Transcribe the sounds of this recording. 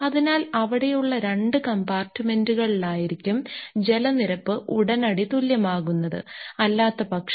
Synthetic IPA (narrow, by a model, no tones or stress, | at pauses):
ɐðinaːlɐʋiɽe̞juɭːɐɾe̞ɳɖɨkɐmbaːrtːɨme̞nduɣɐɭiɭaːjiɾikʲːumd͡ʑe̞lɐniɾɐpːɨʔuɽɐnɐɽit̪uljɐmaːɣunːɐðɨ̰ɐlːaːt̪ːɐpɐkʂ